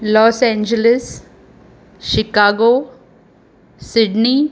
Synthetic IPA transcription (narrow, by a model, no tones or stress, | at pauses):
lɔːsɛ̃ːɲd͡ʒəlɪs | ʃɪkaːɡoː | sɪɖniː